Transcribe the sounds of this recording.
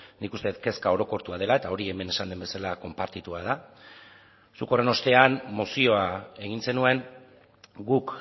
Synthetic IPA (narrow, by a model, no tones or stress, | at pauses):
nikust̪e̞et̪ke̞skao̞ɾo̞ko̞ɾt̪uað̞e̞lae̞t̪ao̞ɾie̞me̞ne̞sand̪embe̞salako̞mpaɾt̪it̪uaða | suko̞reno̞st̪e̞anmosio̞ae̞ɣ̞inse̞nue̞n | ɡuk